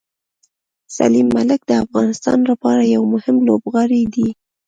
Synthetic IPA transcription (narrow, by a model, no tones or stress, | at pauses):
sa̰limːalɪk̚d̪əafɣɑnɪst̪ɑ̰nlapɑɾajawmʊhɪmlobɣɑɾid̪i